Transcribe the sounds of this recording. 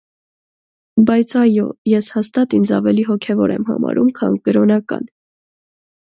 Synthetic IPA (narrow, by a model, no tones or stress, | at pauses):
bɑjt͡sʰɑjɔ̰jɛshɑst̪ɑt̪ind͡zɑvɛliɦɔkʰɛvɔɾɛmhɑ̰mɑ̰ɾʔumkʰɑ̰nkəɾɔnɑkɑ̰n